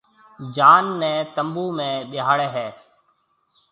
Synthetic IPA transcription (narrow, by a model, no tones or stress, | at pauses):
d͡ʒaːnːɛ̃ːt̪əmbuːmẽːɓɪɦaːɽeːɦɛː